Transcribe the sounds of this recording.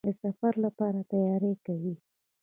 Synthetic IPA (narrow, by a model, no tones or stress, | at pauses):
əsafaɾlapɑɾat̪ajɑɾekawi